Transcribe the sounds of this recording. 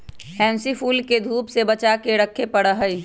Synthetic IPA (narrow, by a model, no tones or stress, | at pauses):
hɛ̃ːnsifuːlked̪ʱuːpsebət͡ʃakeɾəkʰːepəɽəɦəi